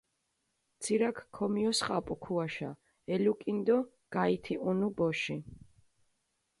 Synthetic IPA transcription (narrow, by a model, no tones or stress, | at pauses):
t̪sʰiɾakʰkʰːɔmiɔsχʼapʼukʰuaʃa | ɛlukʼind̪ɔ | ɡ̥ait̪ʰiʔunubɔʃi